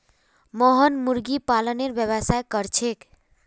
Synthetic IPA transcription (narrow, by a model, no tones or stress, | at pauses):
mɔɦənmuɾɡipaləneɾbjəβəsajkəɾt͡ʃʰek